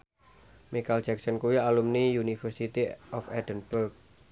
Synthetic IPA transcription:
mikald͡ʒɛksɔnkuwialumnijunifərsit̪iʔɔfɛd̥̪ənbʊrk̚

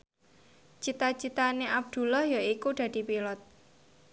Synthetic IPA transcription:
t͡ʃit̪at͡ʃit̪aneʔab̚d̪̥ṳlahjaikud̪̥ä̤d̪̥i̤pilɔt̪̚

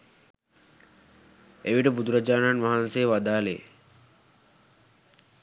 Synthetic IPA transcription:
eʋiʈəbud̪uɾad͡ʒaːnanʋaɦanseːʋad̪aːlḛː

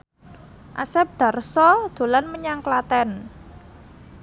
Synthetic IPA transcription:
ʔasɛp̚d̪̥a̤rsɔd̪̥o̤lanməɲaŋklat̪ɛn

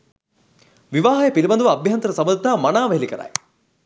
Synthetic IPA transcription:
ʋiʋaːɦɐjɐpilibɐnd̪uʋɐːbʱjaːnt̪ɐɾɐsɐbɐd̪t̪ːaːmɐnaːʋɐɦilikɐɾa̰ːj

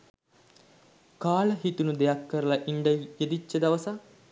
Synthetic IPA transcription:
kaːləɦit̪unud̪ejakːəɾəlaʔiɳɖəjed̪it͡ʃːəd̪aʋəsa

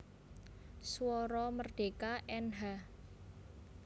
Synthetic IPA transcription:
swɔɾɔmərɖ̪̥e̤kaʔɛnɦa

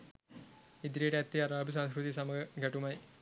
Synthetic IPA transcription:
id̪ɾijɽeɐt̪ːiɐɾaːbus̬ãːskɾuðisɐmɐɐɡʱɐʈːumɐj

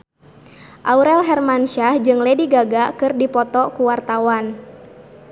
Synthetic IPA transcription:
ʔauɾɛlɦɛrmanʃahd͡ʒɨŋlɛdiɡaɡakɨrdipɔt̪ɔkuwart̪awan

